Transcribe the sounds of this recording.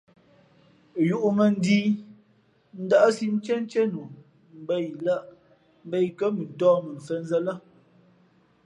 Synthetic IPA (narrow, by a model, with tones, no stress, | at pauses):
ju˨ʔu˨mə˨n̩˦di˦ | n̩˦da˦ʔsi˦n˦t͡ʃɛ˦n˦t͡ʃɛ˦nu˨ | m̩˨be˦˨jla˦ʔ | m̩˦be˦jkə˦mə˨n̩˨tɔː˦mə˨n̩˨sə˦n̩˦zə˦lə˦